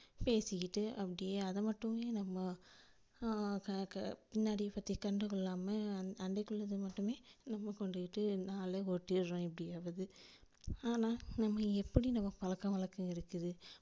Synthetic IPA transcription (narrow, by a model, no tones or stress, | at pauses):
peːsɪkɪʈːɯʔɐpːɐɽɪjeːɐðɐmɐʈːɯmeːnɐmːɐ | kɐpɪnːaːɽipɐt̪ːikɐɳɖɯkɯɭːaːmɐɐndɐkːɯɭːɐðɯmɐʈːɯmeːnɐmːɐkɔɳɖɯkɪʈːɯnaːleoʈːɪɾɾõːɛp̬ːɐɽɪjaʋɐðɯ | aːnaːnɐmːɐɛpːɐɽinɐmːɐpɐlɐkːɐ̃ʋɐɭɐkːɯ̃ɪɾɯkːɯðɯ